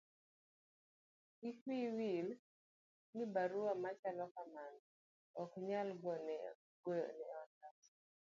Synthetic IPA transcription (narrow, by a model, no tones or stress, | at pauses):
ikwiwil | nibaɾuamat͡ʃalɔkaman | ɔkɲalɡɔnɛ | ɡɔjnɛɔtat